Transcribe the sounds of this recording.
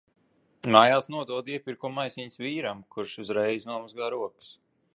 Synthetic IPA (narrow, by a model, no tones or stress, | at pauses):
maːjaːsnuɔd̪uɔd̪iɛpiɾkumːajsiɲsviːɾamkʰuɾʃuzɾɛjznuɔmazɡaːɾuɔks